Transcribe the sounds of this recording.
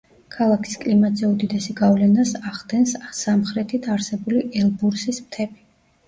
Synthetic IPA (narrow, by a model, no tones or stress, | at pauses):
kʰalˠakʰi̥skʼlimat̪zɛud̪id̪ɛsiɡavlɛnasaχd̪ɛnssamχɾɛt̪ʰit̪ʰaɾsɛbuliʔɛlˠbuɾsismt̪ʰɛbi